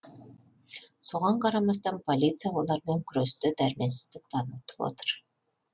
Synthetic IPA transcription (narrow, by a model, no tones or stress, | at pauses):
soʁɑɴqʰɑɾɑmɑst̪ɑnpʰolʲit̪sijawolˠɑɾmeŋkʲʰʏɾøst̪ʏd̪æɾmesɪ̥z̥d̪ɪk̚t̪ʰɑnwut̪ə̥po̰t̪ə̥ɾ